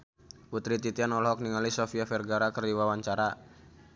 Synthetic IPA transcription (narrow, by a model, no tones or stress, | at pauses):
put̪ɾit̪it̪ianɔlɦɔk̚niŋalisɔfiafɛrɡaɾakərdiwawaɲt͡ʃaɾa